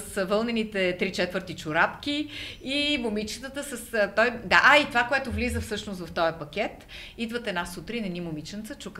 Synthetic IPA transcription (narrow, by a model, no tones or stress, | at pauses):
svɤlˠnɛnit̪ɛt̪ɾit͡ʃɛt̪vəɾt̪it͡ʃʊɾapkʲiː | momit͡ʃə̥t̪ət̪əsəst̪ɔjd̪aʔait̪ovakoɛt̪ʊvlizəfsɤʃnʊst̪vɐft̪ɔjɐpɐk̟ʲɛt̪ | id̪vət̪ɛnasut̪ɾinɛnimʊmit͡ʃənt̪sət͡ʃuk